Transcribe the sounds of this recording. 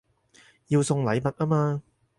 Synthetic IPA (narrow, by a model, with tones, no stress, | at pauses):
jiː˧wsʊ˧ŋlɐ˨˧jmɐ˨t̚aː˥maː˧